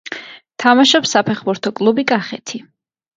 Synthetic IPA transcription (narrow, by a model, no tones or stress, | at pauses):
t̪ʰamaʃɔpsːapʰɛχbuɾt̪ʰɔkʼlˠubikʼaχɛt̪ʰi